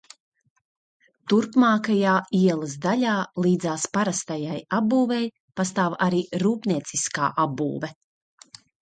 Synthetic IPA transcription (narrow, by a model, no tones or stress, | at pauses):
t̪uɾpmaːkajaːiɛlˠɐsd̪aʎʲaːlˠiːd̪zaːspaɾast̪ajajabuːvɛj | past̪aːvaɾiːɾuːpnʲiɛt̪siska̰ːʔabṵːvɛ